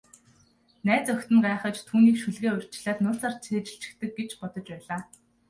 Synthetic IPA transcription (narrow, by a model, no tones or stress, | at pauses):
næːt͡sœxʲt̪ɵ̆ŋɢaːχə̆t͡ɕt̪ʰːuːniːkʃuɮɣeːʊr̥ʲt͡ɕɪ̆ɮaːt̪nʊːɬaːrt͡sʰeːt͡ɕ̆ɬt͡ɕɪ̥̆kt̪ɘ̆k̚ɡet͡ɕpɔt̪ɞ̆t͡ɕpæːɮaː